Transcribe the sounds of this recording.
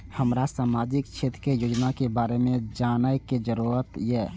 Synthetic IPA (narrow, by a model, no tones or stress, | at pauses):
həmɾasaːmaːd͡ʒɪkt͡ʃʰeːt̪ɾkejoːd͡ʒnakebaːɾemẽd͡ʒaːnajked͡ʒəɾuːɾət̪jɛː